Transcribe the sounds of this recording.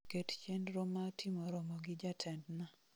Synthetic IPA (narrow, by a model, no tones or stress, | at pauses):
kett͡ʃɛndɾomatʰimoɾɔmɔɡɪd͡ʒatʰɛndna